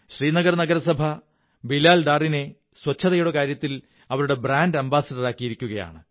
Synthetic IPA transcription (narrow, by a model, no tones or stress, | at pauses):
ɕriːnɐɡɐrnɐɡɐɾɐsɐbʱɐ | bilaːlɖ̪aːrine̞ | swɐt͡ɕʰːɐðɐjuɽɐkaːɾjɐt̪ːil | ɐʋɐɾuɽe̞braːndɐmbaːsɐɖɐraːkːijiɾikʲːuɣɐja̰ːɳɨ